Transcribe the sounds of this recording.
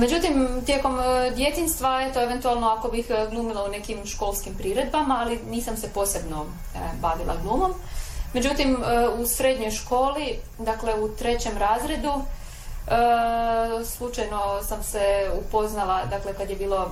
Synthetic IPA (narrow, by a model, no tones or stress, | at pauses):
med͡ʑut̪imt̪je̞ko̞md̪je̞t̪inst̪ʋaet̪oeʋent̪ualˠnoako̞bixɡlˠuːmilˠaune̞kimʃko̞lˠskimpɾiɾe̞d̪bamaːliniːsamse̞po̞ːse̞bno̞ | baʋilʔa̰ɡlˠuːmo̞mːe̞d͡ʑut̪imusɾe̞d̪ɲo̞jʃko̞ːli | d̪akle̞ut̪ɾe̞t͡ɕe̞mɾaːzɾe̞d̪u | slˠut͡ʃajno̞samseupo̞znalˠad̪akle̞kad̪jebiːlo̞